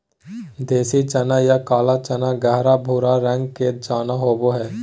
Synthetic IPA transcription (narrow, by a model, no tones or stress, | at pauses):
d̪eːsit͡ʃɐnajakaːlat͡ʃɐnaɡɛɦɾabʱuːɾaɾə̃ŋɡkeːt̪̚d͡ʒaːnaɦoːboɦɛː